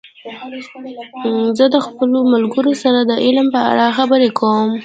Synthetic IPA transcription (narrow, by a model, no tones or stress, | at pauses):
zəd̪əxpəlomalɡəɾosaɾad̪əʔɪlmpəa̰ɽɑxabəɾekʰawəm